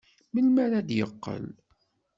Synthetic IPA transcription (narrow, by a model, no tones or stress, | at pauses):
məlmæɾæd̪jə̰qːə̰l